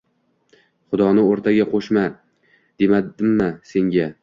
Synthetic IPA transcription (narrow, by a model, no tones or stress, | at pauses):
χʊd̪ɒnɪoɾt̪ʰaɡʲaqʰoʃma | d̪̥e̞mad̪ɪmːɪse̞ŋɡʲa